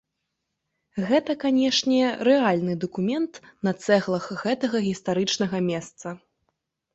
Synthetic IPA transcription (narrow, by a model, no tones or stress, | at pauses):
ɣɛt̪ɐkanʲɛʂnʲɛɾɛalʲnɨd̪ɐkumʲɛnt̪nɐt̪sɛɣlˠɐxɣɛt̪ɐɣɐɣʲist̪aɾɨt͡ʂnɐɣɐmʲɛst̪sɐ